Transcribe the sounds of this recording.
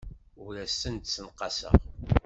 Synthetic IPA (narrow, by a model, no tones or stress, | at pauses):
ʊɾæsːənt̪sənqɑsə̰